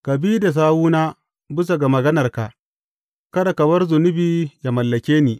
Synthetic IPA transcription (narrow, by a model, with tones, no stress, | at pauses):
kɐ˨biː˦da˨s̬aː˦wuː˦naː˦ | bɪ˦s̬a˨ɡa˨mɐ˨ɡɐ˦nɐ˨rka˨ʔ | kɐ˦ɽa˨kɐ˨bɐ˦rzʊ˨nʊ˦biː˦ja˨mɐ˨lːɐ˨kʲeː˦niː˨